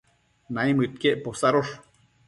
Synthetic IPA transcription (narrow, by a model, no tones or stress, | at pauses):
najmɨt̪̚keʔposaɾoʂ